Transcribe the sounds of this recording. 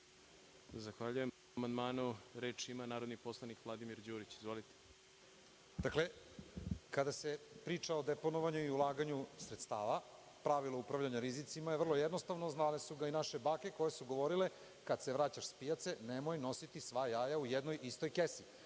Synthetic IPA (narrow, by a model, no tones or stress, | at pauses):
azaxʋaʎujem | mand̪maːnuɾeːt͡ʃimanaːɾod̪nipo̞slˠanikvlˠad̪imiɾd͡ʑuːɾit͡ɕizʋolit̪e̥ | d̪akle̞ | kad̪ase̞pɾiːt͡ʃaod̪epo̞noʋaɲuiulˠaːɡaɲusɾet̪st̪aːʋa | pɾaʋilˠoupɾaʋʎaɲaɾizit̪simajevr̩lˠo̞jed̪no̞st̪aʋnoznalesuɡainaʃe̞baːke̞ko̞jesuɡo̞ʋo̞ɾile̞ | kad̪se̞ʋɾaːt͡ɕaʃspijat̪se̞nemo̞jno̞sit̪isʋajaːjaujed̪no̞jʔist̪o̞jkesi